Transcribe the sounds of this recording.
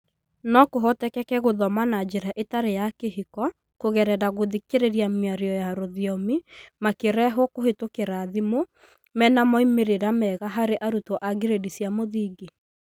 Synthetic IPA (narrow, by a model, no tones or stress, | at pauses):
nɔkoɦɔtɛkɛkɛɣoðɔmanad͡ʒeɾaʔetaɾejakeɦikɔ | koɣɛɾɛɾaɣoðikeɾeɾjamiaɾeɔjaɾoðiɔmimakeɾɛɦɔkohetokeɾaːðimo | mɛnamɔimeɾeɾamɛɣaɦaɾeʔaɾutoʔaɡeɾedisjamoðiɡi